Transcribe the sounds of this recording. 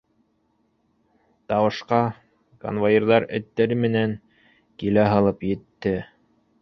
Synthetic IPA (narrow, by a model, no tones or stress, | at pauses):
t̪ɑwɤ̆ʃqɑ | ko̰nvajʲeɾðɑɾɘ̰̆t̪ːæɾɘmɘ̆næŋ | kilæɦɑlˠɤpjɘ̆t̪ːɘ